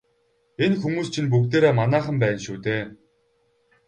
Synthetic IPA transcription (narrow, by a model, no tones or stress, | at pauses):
enxumuːst͡ɕʰinp̬ukt̪eːɾeːmanæːχə̆mpæːnʃuːt̪eː